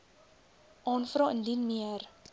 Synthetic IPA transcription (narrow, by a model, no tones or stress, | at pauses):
ʔɑːnfrɑːəndinmiər